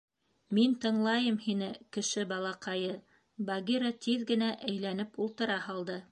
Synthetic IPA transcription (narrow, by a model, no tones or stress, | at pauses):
mint̪ɤ̆ɴlˠɑjɤmhinɘkɘ̆ʃɘbɑlˠɑqɑjɤ | bɑɡiɾat̪iðɡɘ̆næʔæjlæn̪ɘpulˠt̪ɤ̆ɾɑhɑlˠd̪ɤ